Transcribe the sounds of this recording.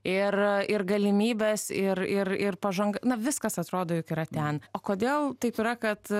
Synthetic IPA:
ɪrɪrɡɐlʲɪmʲiːbʲesɪrɪɾɪrpɐʒɐŋɡɐnɐʋʲɪskɐsɐt̪ɾoːd̪oːjʊkiːɾɐt̪ʲɛnoːkoːd̪ʲeːlˠt̪ɐɪpiɾɐkɐt̪

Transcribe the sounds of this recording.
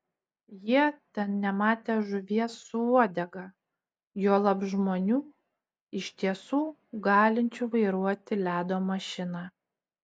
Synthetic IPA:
jiɛt̪ʲɛnnʲɛmɑːt̪ʲeːʒʊʋʲiɛsːʊuɔd̪ʲɛɡɑ | juɔlˠɐbʒmoːnʲuː | ɪʃʲt̪ʲiɛsuː | ɡɑːlʲɪnʲt͡ʃʲuːʋɐɪɾuɔt̪ʲɪlʲæːd̪oːmɐʃʲɪnɑː

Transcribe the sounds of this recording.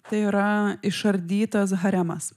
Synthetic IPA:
t̪ɐɪiːɾɐɪʃɐɾʲd̪ʲiːt̪ɐs̬ɦɐɾʲæmɐs

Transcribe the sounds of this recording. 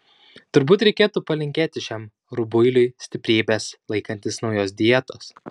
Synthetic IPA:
t̪ʊɾbuːt̪ɾʲɛɪkʲeːt̪uːpɐlʲɪŋʲkʲeːt̪ʲɪʃʲæːm | ɾʊbʊɪlʲʊɪsʲt̪ʲɪpʲɾʲiːbʲeːslˠɐɪkɐnʲt̪ʲɪsnɒʊjoːsd̪ʲijɛt̪oːs

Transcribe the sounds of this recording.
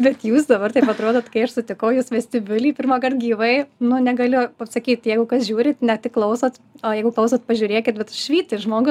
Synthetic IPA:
bʲɛt̪juːsd̪ɐbɐrt̪ɐɪpɐt̪ɾoːd̪oːt̪kɐɪɐʃsʊt̪ʲɪkɐʊjuːsʋʲɛsʲt̪ʲɪbʲɪlʲiːpʲɪrmɑkɐrt̪̚ɡʲiːʋɐɪnʊnʲɛɡɐlʲɪpɐpsɐkʲiːt̪jɛɪɡʊkɐsʒʲuːɾʲɪt̪nʲɛtʲɪkːlˠɐʊsɐt̪ojɛɪɡʊklˠɐʊsɐt̪̚pɐʒʲuːɾʲeːkʲɪt̪̚bʲɛt̪ʃʲʋʲiːt̪ʲɪʒmoːɡʊ

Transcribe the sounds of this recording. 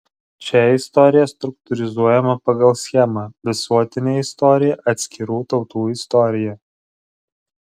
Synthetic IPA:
t͡ʃʲɛɪst̪ɔɾʲɪjɛst̪ɾʊk̚t̪ʊɾʲɪzuɔjɛmɐpɐɡɐlˠsʲxʲɛmɑʋʲɪsuɔt̪ʲɪnʲeːɪst̪ɔɾʲɪjɛʔɐt̪ʲsʲkʲɪɾuːt̪ɒʊt̪uːɪst̪ɔɾʲɪjɛ

